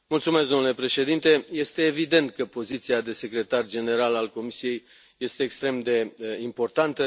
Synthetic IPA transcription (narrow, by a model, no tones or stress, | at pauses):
mult̪sumesd̪omnle̞pɾe̞ʃe̞d̪int̪e̞je̞st̪e̞ːvid̪e̞nt̪̚kəpo̞zit̪siad̪e̞se̞kɾe̞t̪ard͡ʒe̞ne̞ɾalalko̞misije̞j | je̞st̪e̞ːkst̪ɾe̞md̪e̞impo̞rt̪ant̪ə